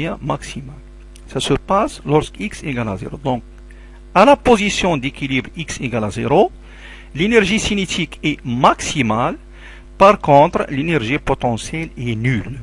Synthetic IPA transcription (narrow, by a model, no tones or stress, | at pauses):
ɛ̃maksimal | sasəpaslɔʁskikseɡalazḛʁod̪ɔ̃k̚ | alapozisjɔ̃d̪ekilibʁikseɡalazeɾo | lenɛʁʒisinet̪ʰikɛmaksimal | paʁkɔ̃t̪ɾlenɛʁʒipot̪ɑ̃sjɛlɛnyl